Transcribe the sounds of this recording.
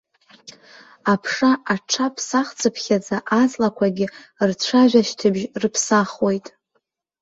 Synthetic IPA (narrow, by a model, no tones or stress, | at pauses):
apʰʂaaʈ͡ʂʰapʰsaχt͡sʰʼɨpʰχʲad͡zaʔazlakʷʰaɡʲɪrt͡ɕʷʰaʒʲʷᶣaʃtʰɨbʒrɨpʰsaχwe̞jtʼ